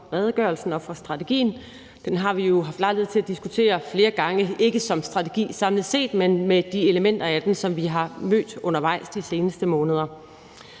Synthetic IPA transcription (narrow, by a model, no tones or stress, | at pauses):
ʁɛːð̞ˠɡ̥ɶɐlsn̩ɒ̽fɒ̽sd̥ʁɑ̈t͡sʰe̝ɡ̥ḭːn̩ | d̥enɦɑ̈ʋijo̝ɦɑ̈fd̥lɑ̈ɪleð̩ˠt͡sʰe̝æd̥isɡ̥ut͡sʰe̝̰ːɐfle̝ːɐɡ̥ɑ̈ŋəe̝ɡ̥əsɒ̽msd̥ʁɑ̈t͡sʰe̝ɡ̥ḭːsɑ̈mləð̩ˠse̝̰ːd̥menmed̥ie̝ləmen̰d̥ɐæd̥ensɒ̽mʋiɦɑ̈mø̰ːd̥ɔ̽nɐʋɑ̈ɪ̰sd̥ise̝ːnəsd̥əmɔːnəð̞ˠɐ